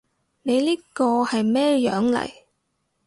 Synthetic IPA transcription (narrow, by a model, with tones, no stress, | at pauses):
ne˨˧jliː˥kɔː˧hɐ˨jmɛː˥jœː˨˥ŋlɐ̰˨˩j